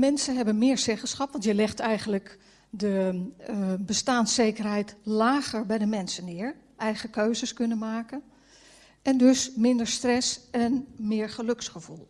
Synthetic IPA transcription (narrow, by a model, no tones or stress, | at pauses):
mɛnsənɦɛbənmɪːɹsɛχəsχɑpʋɑntjəlɛχtɛjɣənlək | də | bəstaːnsejkərɦɛjtlaːɣəɹbɛjdəmɛnsənɪːɹ | ɛjɣəkøɥzəskɵnənmaːkən | ʔɛndøsmɪndəɹstrɛsɛnmɪːɹχəløksχəv̥ulˠ